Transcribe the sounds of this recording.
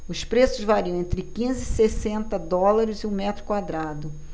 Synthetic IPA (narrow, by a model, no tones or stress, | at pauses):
ʊspɾesʊzvaɾiɐ̃ẽnt̪ɾɪkĩzɪsesẽnt̪ɐd̪ɔlaɾɪzɪʊmɛt̪ɾʊkwad̪ɾad̪ʊ